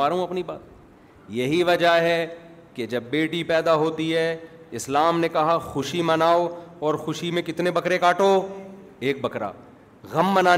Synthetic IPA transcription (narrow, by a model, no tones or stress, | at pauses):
aːɾɦũɐpniba̰ːt̪̚ | jɐɦiʋɐd͡ʒəɦɛ | ked͡ʒɐbːeːʈipɛːd̪aɦoːt̪iɦɛɪslaːmnekɐɦaxʊʃimɐnaːoɔːɾxʊʃimẽkɪt̪nebɐkɾekaːʈoː | eːk̚bɐkɾa̰ː | ɣɐmːɐnaː